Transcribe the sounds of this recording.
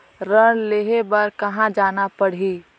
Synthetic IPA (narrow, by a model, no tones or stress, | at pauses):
ɾəɽleɦebəɾkɐɦãd͡ʒaːnapəɽ̤i